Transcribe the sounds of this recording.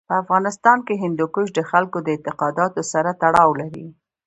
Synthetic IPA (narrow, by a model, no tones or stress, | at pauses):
pəafɣɑnɪst̪ɑnkeɦɪnd̪okʊʃd̪əxalkod̪əɪnt̪ɪqɑd̪ɑt̪osaɾat̪aɽɑwlaɾḭ